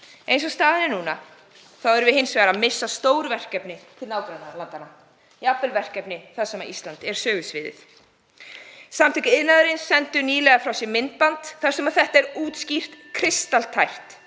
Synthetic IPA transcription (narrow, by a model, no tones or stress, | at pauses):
ejnsɔst̪aːðɪnɪnuːna | θawɛɾvɪðɦɪnsvɛːɾamɪsːast̪oːwɾʏvɛr̥kɛpnɪt̪ʰɪlnaːwk̪ɾanalant̪ana | japːɛlvɛr̥kɛpnɪθasɛmaist̪lant̪ɛɾ̥sœːɣʏsvɪːðɪ̰θ | samt̪ʰɪcɪɪðnaðʏɾɪnsːɛnt̪ʏniːlɛɣafɾawsjɛmɪnt̪̚pant̪θaɾ̥sɛmaðθɛht̪aɛɾuːt̪scir̥t̪kʰɾɪst̪alt̪ʰajht̪